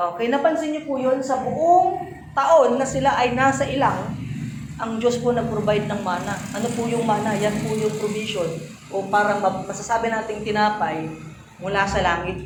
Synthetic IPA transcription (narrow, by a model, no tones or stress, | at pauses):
ʔokɐjnɐpɐnsɪɲɲopʊjo̞nsɐbʊʔoŋ | t̪ɐʔo̞nːɐsɪlaʔɐjnaːsɐʔɪlaŋ | ʔɐŋd͡ʒo̞sponɐɡ̚pɾobajd̪̚nɐŋmaːnɐʔɐnopʊjʊŋmaːnɐjanpʊjʊŋpɾobisjo̞n | ʔo̞paːɾɐmɐmɐsasaːbɪnaːt̪ɪŋt̪ɪnaːpɐj | mʊlaːsɐlaːŋɪt̪̚